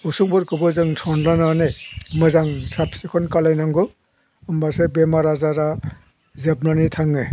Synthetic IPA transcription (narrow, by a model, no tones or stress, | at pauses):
usuŋbɯɾkɯbɔzɯŋsʰɔnlananemɯzaŋsapsikʰɔnkalajnaŋɡɯ | ɯmbasebemaɾazaɾa | zebnanitʰaŋɯ